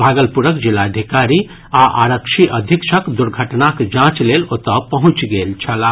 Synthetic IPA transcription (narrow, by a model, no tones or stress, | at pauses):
bʱaɡəlpuɾəkd͡ʒilːad̪ʱikaɾi | aʔa̰ɾəkʃʰiʔəd̪ʱikʃʰəkd̪uɾɡʱəʈnakd͡ʒãt͡ʃlelot̪əpəɦũt͡ʃɡelt͡ʃʰəla